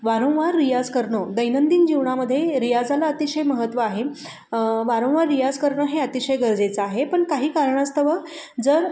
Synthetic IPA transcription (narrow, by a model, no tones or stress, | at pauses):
ʋaɾə̃w̃ʋaɾːijad͡zkəɾɳod̪əjnənd̪iːnd͡ʑiʋɳaməd̪ʱːjeɾijad͡zalaət̪iɕəjməɦət̪ːʋəaɦe | ʋaɾə̃w̃ʋaɾːijad͡zkəɾɳəɦeət̪iɕəjɡəɾd͡zet͡səaɦepəɳkaɦiːkaɾɳast̪ʰəʋəd͡zəɾ